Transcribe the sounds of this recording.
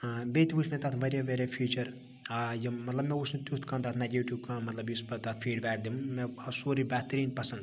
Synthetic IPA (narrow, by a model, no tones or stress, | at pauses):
beːt̪ʰiʋusmẽt̪ɐt̪ʰʋɐɾʲjeʋeɾefʰiːt͡ʃɐɾ | ajimɐt̪lɐbmẽut͡ʃʰnit̪ut̪ʰkɐ̃nd̪aːt̪ʰnɐɡeːʈukãːmɐt̪lɐbjispɐt̪ɐt̪ʰfʰiːɖbɛːʈ̚ʰd̪immẽɐsoːɾibɛːt̪ɾiːnpɐsɐnd̪